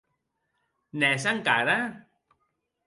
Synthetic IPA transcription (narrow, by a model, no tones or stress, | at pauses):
nɛs̬aŋkaɾa